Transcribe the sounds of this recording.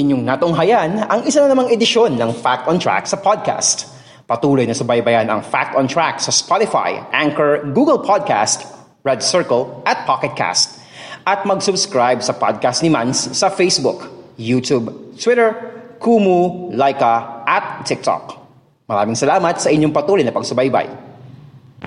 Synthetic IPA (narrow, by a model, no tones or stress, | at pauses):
ʔɪɲoŋnat̪ʊŋɦɐjanɐŋɪsanɐnɐmaŋɛd̪ɪʃo̞nːɐŋfak̚t̪ɔnt̪ɹa̰k̚sɐpʰod̪̚kʰa̰st̪ | pɐt̪uːlojnɐsɐbɐjbɐjanɐ̰ŋfa̰k̚t̪ɔnt̪ɹak̚sɐspat̪ɪfa̰jʔaŋkɛɹɡuːɡɛlpʰad̪̚ka̰st̪ | ɹɛd̪̚sɛɹkɐlʔɐt̪̚pʰakɛt̪̚kʰa̰st̪̚ | ʔɐt̪̚mɐɡsʊbskɹajb̚sɐpa̰d̪̚kast̪nɪmanssɐfejsbʊkjuːt̪ubt̪wɪɾɛɹkʰuːmulajkɐʔɐt̪̚ːɪk̚t̪ɔ̰k̚ | mɐɾaːmɪŋsɐlaːmɐt̪̚sɐʔɪɲoŋpɐt̪uːlojnɐpɐɡ̚sʊbajba̰j